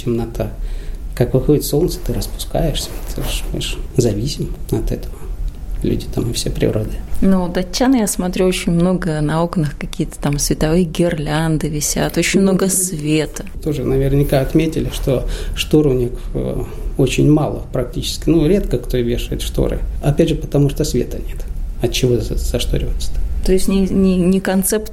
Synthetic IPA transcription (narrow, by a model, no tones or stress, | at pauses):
tʲɪmnɐt̪ʰakakvɨxodʲɪt̪so̞lˠt̪sə̥t̪ɨɾəspʊ̥ska̰jɪʂsʲə̥t̪ʰoʂmɨ̰ʂzɐvʲisʲɪmɐt̪ɛt̪əvəlʲṵdʲɪt̪amɨfsʲepɾʲɪ̰ɾod̪ɨnud̪ɐt͡ɕʲːanjasmɐt̪ɾʲuot͡ɕɪnʲmno̞ɡənɐo̞knɨxkɐkʲijət̪ə̥t̪amsvʲɪt̪ɐvɨjəɡʲɪrlʲand̪ɨvʲɪsʲa̰t̪o̞t͡ɕɪnʲmno̞ɡəsvʲe̞t̪ə̥t̪o̞ʐɨnəvʲɪrnʲɪkaɐt̪mʲetʲɪlʲɪʂt̪oʂt̪oɾʊnʲik | ot͡ɕɪnʲmalˠɨ̰pɾɐk̚tʲit͡ɕɪ̥skʲɪnuɾʲe̞t̪kəkt̪ovʲeʂɨvətʲʂt̪o̰ɾɨ̰ɐpʲædʲʐɨpə̥t̪ɐmuʂt̪osvʲḛt̪ənʲet̪ɐtt͡ɕːɪvot̪z̥ɐʂt̪oɾʲɪvət̪sə̥t̪ḁt̪o̞ɪsʲtʲnʲɪnʲɪnʲɪkɐnt̪sɛpt̪